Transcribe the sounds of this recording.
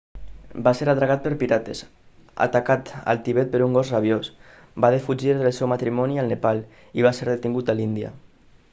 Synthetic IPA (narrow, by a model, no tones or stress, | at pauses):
baseɾat̪ɾaɣ̞at̪̚pəɾpiɾat̪ez | a̰t̪akat̪ə̰lˠt̪iβet̪̚pəɾuŋɡɔzraβ̞jos | baðefud͡ʒiɾðəlˠsɛwmat̪ɾimɔniəlˠnepal | iβ̞aseɾðet̪iŋɡut̪alind̪iə̰